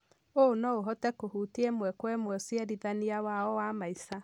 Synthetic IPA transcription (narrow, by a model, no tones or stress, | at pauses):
onɔoɦɔtɛkohutiemwɛkwɛmwɛsiɛɾiðaniawaɔwamaisa